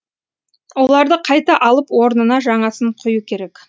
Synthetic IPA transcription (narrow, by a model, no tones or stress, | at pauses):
wo̞lˠɑɾd̪əqʰɑjt̪ɑʔɑlˠəpwo̞ɾnənɑʒɑɴɑsəɴqʰʊjukʲʰe̞ɾe̞k